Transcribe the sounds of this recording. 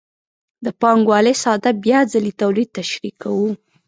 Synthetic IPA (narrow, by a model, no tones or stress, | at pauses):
d̪əpɑŋɡwɑlesɑd̪abjɑzalit̪awlid̪̚t̪aʃɾikawu